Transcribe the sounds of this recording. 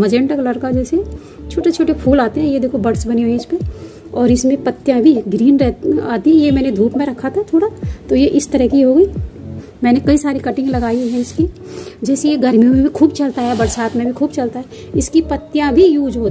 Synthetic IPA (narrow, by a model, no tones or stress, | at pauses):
mɐd͡ʒẽːɳʈəklɐɽkad͡ʒɛːse | t͡ʃʰoːʈet͡ʃʰoːʈepʰuːlaːt̪eɦɛ̃jed̪eːkʰobɐɽsbɐniɦoːiɪspẽ | ɔːɾɪsmẽpɐt̪ːjãbʱiɡɾiːnɾɛaːt̪iɦɛ̃jemɛ̃ːned̪ʱuːpmẽɾɐkʰːat̪ʰat̪ʰoːɽat̪ojeʔɪst̪ɐɾəɦkiɦoːɡəiː | mɛːnekɐisaːɾikɐʈɪ̃ŋɡlɐɡaːiɦɛ̃ɪski | d͡ʒɛːsejeɡɐɾmijõmẽbʱikʰuːbt͡ʃɐlt̪aɦɛbɐɽsaːt̪mẽbʱikʰuːbt͡ʃɐlt̪aɦɛ | ɪskipɐt̪ːjãbʱijuːd͡ʒɦoː